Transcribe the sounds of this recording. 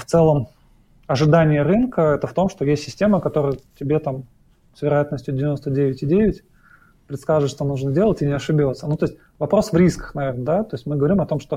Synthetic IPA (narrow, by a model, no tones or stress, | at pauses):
ft̪sɛlˠəm | ɐʐɨd̪anʲɪjəɾɨnkəɛt̪əft̪o̞mʂt̪o̞jesʲtʲːɪsʲtʲe̞məkɐt̪o̞ɾəjətʲɪbʲe̞t̪am | svʲɪɾɐjat̪nəsʲtʲjʊdʲɪvʲɪno̞st̪ədʲevʲɪtʲɪdʲevʲɪtʲ | pɾʲɪt̪skaʐɨʂʂt̪o̞nuʐnədʲe̞lˠətʲɪnʲɪɐʂɨbʲot̪sənut̪o̞ɪsʲt̚ʲ | vɐpɾo̞svɾʲiskə̥xnɐvʲe̞rnəd̪at̪o̞jɪsʲtʲmɨɡəvɐɾʲimɐt̪o̞mʂt̪o